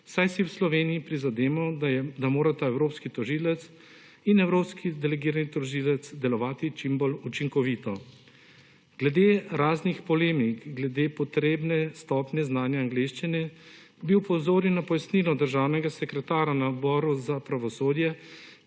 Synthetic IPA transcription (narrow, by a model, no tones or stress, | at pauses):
sajsiwslɔʋeːnijipɾizad̪eːmɔd̪amoːɾat̪aɛwɾoːpskit̪ɔʒiːlɛt̪s | inɛwɾoːpskʰid̪ɛlɛɡiːɾanit̪ɔʒiːlɛt̪sd̪ɛlɔʋaːt̪it͡ʃimbolut͡ʃiŋkɔʋiːt̪ɔ | ɡ̥lɛd̪eːɾaːznixpɔleːmikɡlɛd̪eːpɔt̪ɾeːbnɛst̪ɔːpnjɛznaːnjaːŋɡleːʃt͡ʃinɛ | biupɔzoːɾinːapɔjasniːlɔd̪əɾʒaːwnɛɡasɛkɾɛt̪aːɾanaɔd̪bɔːɾuzapɾaʋɔsoːd̪jɛ